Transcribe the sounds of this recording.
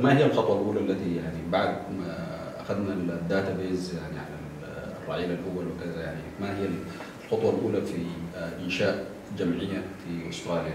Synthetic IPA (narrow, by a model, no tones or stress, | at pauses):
mahijːalxɑt̪ˤwɑlʔuːlaʔlːat̪ijaʕniibaʕd̪̚ | ʔaxad̪nald̪ːaːt̪abeːzjaʕniʕalal | rˤːɑʕiːlalʔʊɡalwɪkazajaʕnimahijːal | lxʊt̪ˤwɑlʔuːlafiʔɪnʃaːʔ | d͡ʒamʕɪjːafiʔʊst̪ɾˤɑːlija